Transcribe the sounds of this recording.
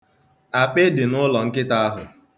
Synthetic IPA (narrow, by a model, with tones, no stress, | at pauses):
a˨k͡pɪ˦dɪ˨nʊ˦lɔ˨ŋ̩˦kɪ˦ta˦a˦ɦʊ̰˨